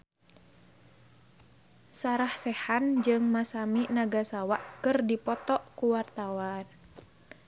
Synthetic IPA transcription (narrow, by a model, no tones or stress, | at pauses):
saɾahsɛhand͡ʒɨŋmasaminaɡasawaʔkɨrdipɔt̪ɔʔkuwart̪awan